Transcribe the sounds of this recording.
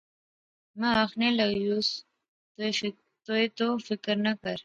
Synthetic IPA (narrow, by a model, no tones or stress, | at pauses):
maːxnelaɡjus | t̪ | t̪oet̪ofɪkɾnakaɾ